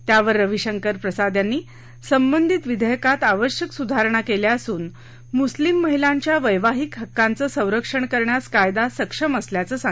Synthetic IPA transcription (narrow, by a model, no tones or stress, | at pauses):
t̪jaʋəɾːəʋiɕəŋkəɾpɾəsad̪ʱjanːiː | səmbənd̪ʱit̪ʋid̪ʱəjəkat̪aʋəɕjəksud̪ʱaɾɳ̃akeljaəsuːn | muslimːəɦilaɲt͡ɕjaʋəjʋaɦiːkɦəkːant͡səːsə̃w̃ɾəkʂəɳkəɾɳjaskajd̪asəkʂəməsljat͡səːsa